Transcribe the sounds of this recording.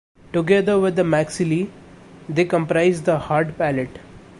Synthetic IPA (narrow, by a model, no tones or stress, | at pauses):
ʈuɡɛd̪əɾʋɪd̪əmæksɪli | d̪eːkə̃mpɾaɪzd̪əhaːɾɖpæleʈ